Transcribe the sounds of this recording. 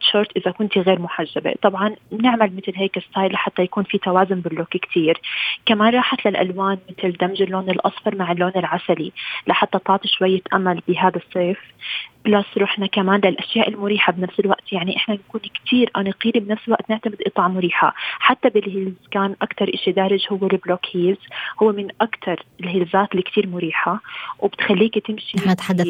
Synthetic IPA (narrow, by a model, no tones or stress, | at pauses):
t̪ʃʊɾt̪ʔɪzakʊnt̪iɣeːɾmʊħaʒːabḛt̪ˤɑbʕɑnmnɪʕmalmɪt̪lɦeːkɪst̪aːjlaħat̪ːajakuːnfit̪awaːzʊmbɪlːokkt̪ʰiːɾkamaːnɾˤɑːħat̪lalʔa̰lwaːnmɪt̪ld̪amʒɪlːoːnɪlʔɑ̰sˤfɑɾˤmaʕɪlːoːnɪlʕasalilaħat̪ːat̪ɑʕt̪ˤiʃwajːat̪ʔamːalbɪɦaːd̪asˤːeːfb̥lasɾuħnakamaːnlɪlʔaʃjaːʔɪlmʊɾiːħabnafsɪlwaʔt̪jaʕniʔɪħnanakuːnkt̪ʰiːɾʔanaqiːlibnafsɪlwa̰ʔt̪nɪʕt̪amɪd̪ʔɨt̪ˤɑːʕmʊɾiːħa̰ħat̪ːabɪlhɪlzkaːnʔakt̪ɑɾˤʔɪʃid̪aːɾɪd͡ʒhʊwːelbloːkhiːlzhʊwːemɪnʔakt̪ʰɑɾˤɪlhɪlzaːt̪likt̪iːɾmʊɾiːħawɪbɪt̪xalːiːkt̪ɪmʃit̪ħad̪ːa